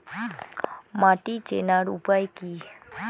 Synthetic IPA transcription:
maʈit͡ʃenaɾupajki

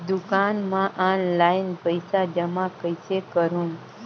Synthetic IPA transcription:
d̪ukanmãʔãnlainpəjsad͡ʒəmãkəjsekəɾũn

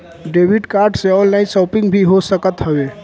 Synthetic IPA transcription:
ɖebʱiɖkaɾɖseɔ̃ːnlaɪsɔːpɪ̃ŋɡbʱiɦosəkət̪ɦəʋe

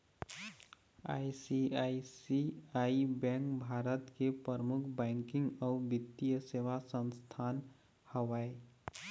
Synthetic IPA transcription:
a̰ːisiaːisiaːibɛ̃ːŋkbʱaːɾət̪kepəɾmʊkʰbɛ̃ːŋkɪ̃ŋɡɔːʋɪt̪ːijəseːʋasə̃nst̪ʰaːn | həʋaːe

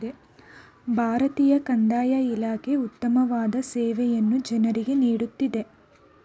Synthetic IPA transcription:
e | bʱaːɾɐt̪iːjɐkɐɳɖaːjɐilaːkʰe̞ut̪ːɐmɐʋaːd̪ɐsɛːʋɛjɐnːud͡ʒɐnɐɾiɡe̞niːɽut̪ːid̪e̞

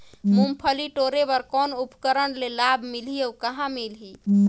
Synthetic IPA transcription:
mumpʰəliʈoɾebəɾkɔnupkəɾəɳlelabʱmilɦiəukəɦãmilɦi

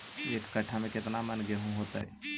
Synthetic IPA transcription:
eːkːəʈʰamẽkɪt̪namənɡeɦũɦoːt̪a̰ɛ̰

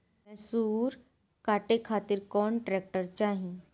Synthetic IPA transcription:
ɛ̃suːɾ | kaʈekʰat̪iɾkɔːɳʈɾek̚ʈəɾt͡ɕaɦĩ

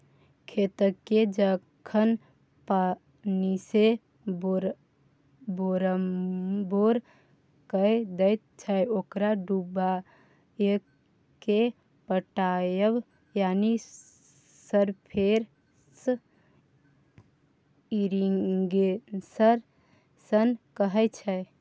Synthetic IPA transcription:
kʰet̪əkːed͡ʒə | kʰən | pa | nise | bɾ | boɾəmboɾ | kəjd̪əjt̪̚t͡ʃʰaokɾaɖuba | ek | ke | pəʈajəb | jani | səɾpʰeɾ | s | iɾiŋɡesəɾ | sənkəɦɛt͡ʃʰɛ

